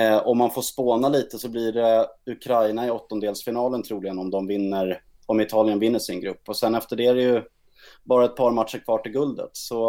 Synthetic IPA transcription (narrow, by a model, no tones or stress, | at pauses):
ɔmːanfoːʂpoːnaliːt̪əsɔblɪɖɛɵkʰɾajnaɪɔt̪ːɔnd̪eːlsfɪnɑːlənt̪ʰɾuːlɪɡənɔmd̪ɔmvɪnːəɾ | ɔmɪt̪ʰɑːlɪənvɪnːəʂɪnɡɾɵpːɔsɛnːɛft̪əɖɛæɾɛjɵ | bɑːɾaɛt̪̚pʰɑːɾmat̪ʂəɾkʰvɑːʈɪlɡɵld̪ə̰t̪sɔ